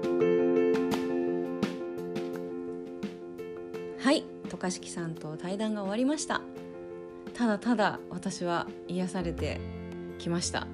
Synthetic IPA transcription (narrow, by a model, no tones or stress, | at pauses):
hai | t̪o̞kaɕi̥kʲi̥sãnt̪o̞t̪aid̪ãŋɡao̞βaɾʲimaɕi̥t̪a̰ | t̪ad̪at̪ad̪a̰βat̪aɕiβa | ijasaɾe̞t̪e̞̰ | kʲimaɕi̥t̪a̰